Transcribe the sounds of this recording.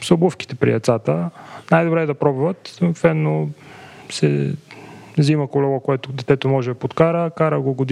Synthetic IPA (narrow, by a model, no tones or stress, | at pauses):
sʊbɤfki̥t̪ɛpɾḭɐt̪sat̪ənajd̪obɾɛːd̪ɐpɾɔbvət̪sɐt̪vɛnːo | sɛ̰ | ziməkolɔvɔkoɛt̪od̪ɛt̪ɛt̪omɔʒɛpot̪kaɾəkaɾəɡoɡod̪